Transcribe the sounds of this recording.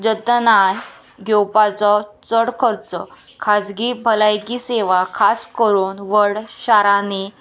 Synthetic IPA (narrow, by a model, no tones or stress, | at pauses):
d͡ʑət̪naj | ɡʱewpat͡sɔt͡səɽkʰəɾt͡sɔ | kʰad͡zɡibʱəlajkiseʋakʰaskəɾuːnʋəɽɕaɾane